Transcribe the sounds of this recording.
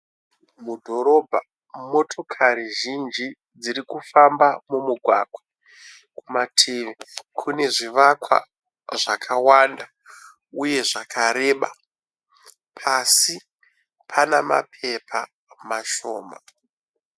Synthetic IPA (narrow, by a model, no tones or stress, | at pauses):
mudʱo̞ɾo̞bʱa | mo̞tʰo̞kʰaɾiʒind͡ʒi | d͡ziɾikufambamumuɡʱwa̰ɡʱwa | kumatʰiːʋikʰune̞ʐiʋakwa̰ | ʐakʰawanda | uje̞ʐakʰaɾe̞ɓa̰ | pʰasi | pʰanama̰pʰe̞pʰa | maʃo̰ːma